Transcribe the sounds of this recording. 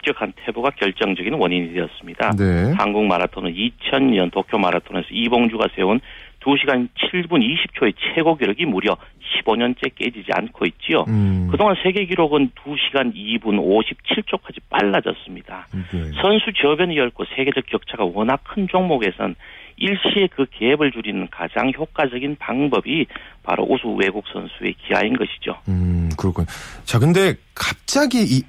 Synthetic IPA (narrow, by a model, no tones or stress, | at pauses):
t͡ɕ͈ʌkʰantʰe̞buɡakjʌɭt͡ɕ͈ʌŋd͡ʑʌɡinwʌɲiɲidejʌs͈ɯmɲidahaŋɡuŋmaɾatʰonɯnit͡ɕʰʌnɲʌntokʰjomaɾatʰone̞sʰʌiboŋd͡ʑuɡasʰe̞untuɕʰiɡant͡ɕʰiɭbuniɕʰip̚t͡ɕʰoe̞t͡ɕʰe̞ɡoɡiɾoɡimuɾjʌ | ɕʰiboɲʌnt͡ɕ͈e̞k͈e̞d͡ʑid͡ʑia̰nkʰoit̚t͡ɕ͈io̰kɯdoŋansʰe̞ɡe̞ɡiɾoɡɯntuɕʰiɡanibunoɕʰip̚t͡ɕʰiɭt͡ɕ͈okʰad͡ʑip͈a̰ɭːad͡ʑʌ̰s͈ɯmɲid̥asʰʌnsʰut͡ɕʌbjʌɲijʌɭkʰosʰe̞ɡe̞d͡ʑʌkjʌk̚t͡ɕʰaɡawʌnɦakʰɯnt͡ɕoŋmoɡe̞sʰʌ̰niɭɕ͈ie̞kɯke̞ebɯɭd͡ʑuɾinɯnkad͡ʑaŋçjok͈ad͡ʑʌɡinpaŋbʌbipa̰ɾo̰ʔusʰuwe̞ɡuk̚s͈ʰʌ̰nsʰue̞̰kia̰inɡʌɕʰi̥d͡ʑo̰kɯɾʌkʰuɲot͡ɕakɯnde̞kap̚t͡ɕ͈aɡi